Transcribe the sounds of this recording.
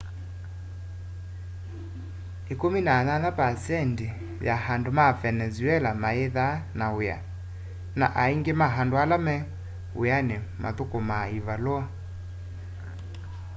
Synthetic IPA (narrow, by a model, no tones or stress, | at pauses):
ekominananapasɛndi | jahandomafɛnɛzuɛlamaeðanaoja̰ | na̰ʔaiŋɡemaɦandoalamɛ | ṵjanema̰ðokomaivalwa